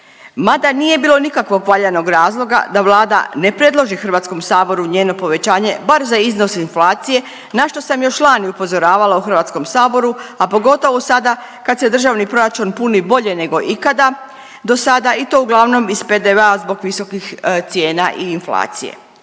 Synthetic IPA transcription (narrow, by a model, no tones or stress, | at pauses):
mad̪anije̞biːlˠo̞nikakʋo̞ɡpaʎano̞ɡɾaːzlˠo̞ɡa̰d̪aʋlˠaːd̪a̰ne̞pɾe̞d̪lˠo̞ʒixr̩ʋaːt̪sko̞msaːbo̞ɾuɲeːno̞po̞ʋe̞t͡ɕaːɲe̞baɾzaizno̞sinflˠaːt̪sije̞ | naʃt̪o̞samjo̞ʃlaːniupo̞zo̞ɾaːʋalauxr̩ʋaːt̪sko̞msaːbo̞ɾuapo̞ɡo̞t̪o̞ʋosad̪a | kad̪se̞d̪r̩ʒaʋnipɾo̞ɾat͡ʃunpunibo̞ʎe̞ne̞ɡo̞ʔikad̪a | d̪o̞sad̪ait̪o̞ːuɡlˠaʋno̞misped̪eʋeazbo̞ɡʋiso̞kixt̪sje̞ːnaʔiːnfla̰ːt̪sḭjḛ